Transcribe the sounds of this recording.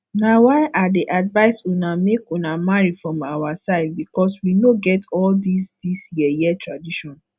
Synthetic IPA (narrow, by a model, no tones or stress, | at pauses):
nawaɪʔadiʔadvaɪsunamekunamaɹifɹɔ̃mawasaɪfbikɔswinoɡɛtɔldisdisjɛjɛtʰɹadiʃɔ̃n